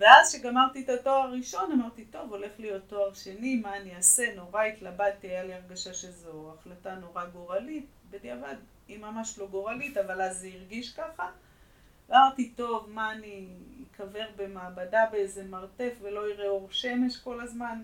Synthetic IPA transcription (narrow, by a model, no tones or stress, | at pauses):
veazʃeɡamaʁt̪itato̞aʁʁʁiʃo̞namaʁt̪ito̞vo̞le̞χlijo̞t̪ːo̞aʁʃe̞nimaːniase̞no̞ʁaitlabat̪ijaliaʁɡaʃaʃezoaχlatanoʁaɡo̞ʁalit | bedeavad | imamaʃlo̞ɡo̞ʁalitavalazzeiʁɡiʃkaχa | amaʁtito̞vmaːniːkʰave̞ʁbe̞maːbadabeezemaʁte̞fve̞lo̞iʁeoʁʃe̞me̞ʃko̞lazman